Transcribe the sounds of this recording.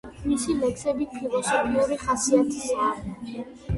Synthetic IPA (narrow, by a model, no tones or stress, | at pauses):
misilɛksɛbipʰilɔsɔpʰiuɾiχasiat̪ʰisa